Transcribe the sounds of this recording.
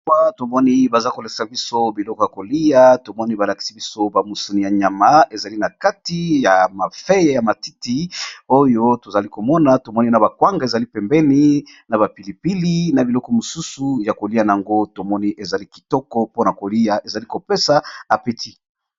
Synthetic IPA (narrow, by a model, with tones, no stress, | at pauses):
a˦to˨mɔ˦ni˦ba˨za˦ko˨le˨sa˨bi˦so˦bi˨lɔ˦kɔ˦ja˨ko˨li˦ja˦to˨mɔ˦ni˦ba˨la˨ki̥˨si˦bi˦so˦ba˨mu˨su˨ni˨ja˨ɲa˨ma˦e˨za˨li˦na˨ka˦ti˦ja˨ma˨fe˦je˨ja˨ma˨ti˦ti˦o˦jo˦to˨za˨li˦ko˨mɔ˦na˨˦to˨mɔ˦ni˦na˨ba˨kwa˦ŋɡa˨e˨za˨li˦pɛ˨mbɛ˦ni˦ | na˨ba˨pi˨li˨pi˦li˦na˨bi˨lɔ˦kɔ˨mo˨su˦su˨ja˨ko˨li˦a˨na˨a˨ŋɡo˦to˨mɔ˦ni˦ʔe˨za˨li˦ki̥˨tɔ˦kɔ˦po˦na˨ko˨li˦ja˨ʔe˨za˨li˦ko˨pe˦sa˨a˨pe˦ti˦